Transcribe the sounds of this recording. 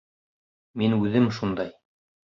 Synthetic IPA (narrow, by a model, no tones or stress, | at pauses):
minʉðɘmʃund̪ɑj